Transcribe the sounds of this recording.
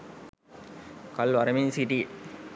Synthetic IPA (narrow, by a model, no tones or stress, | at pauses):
kɐlʋɐɾɐmiŋsiʈi